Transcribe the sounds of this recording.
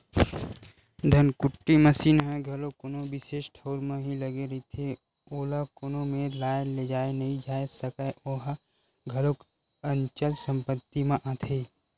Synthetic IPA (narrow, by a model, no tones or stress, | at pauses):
d̪ʱɐnkʊʈːiməsiːnɦɛ̃ɡʱɐlokonoʋɪseːʃʈʰoːɾmẽɦilɐɡeɾɐit̪ʰe | oːlakonõmẽlaːnled͡ʒaːenɐɦĩd͡ʒaːesɐkaoɦ | ɡʱɐlok | ə̃ɲt͡ʃəlsə̃mpət̪ːimẽʔãːt̪ʰe